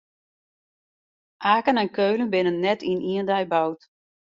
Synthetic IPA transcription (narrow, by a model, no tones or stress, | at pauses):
ʔaːkənɛnkøːlənbɪnənːɛtʰinʔiəndɛjbawt